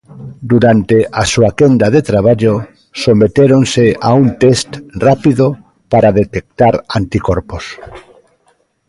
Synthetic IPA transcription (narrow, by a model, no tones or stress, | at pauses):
d̪uɾant̪eʔasuakend̪aðet̪ɾaβ̞aʎo | somet̪eɾonseaunt̪est̪rapiðo | paɾaðet̪ek̚t̪aɾant̪ikoɾpos